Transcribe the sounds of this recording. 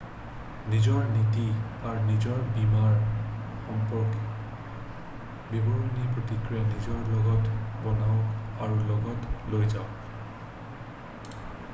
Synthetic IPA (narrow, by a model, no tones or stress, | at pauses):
nizɔɹnitiaɹnizɔɹbimaɹxɔmpɔɹkɛ | bibɔɹonipɹotikɹijanizɔɹlɔɡɔtbɔnaʊkaɹulɔɡɔtlojzaʊk